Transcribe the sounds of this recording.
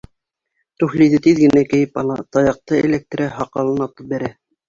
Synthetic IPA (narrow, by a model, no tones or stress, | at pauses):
t̪ʉxliðɘt̪iðɡɘ̆nækɘ̆jɘpɑlˠɑt̪ɑjɑq̚t̪ɤḛlʲek̚t̪ɾæɦɑqɑlˠɤnɑt̪ɤp̚bæɾæ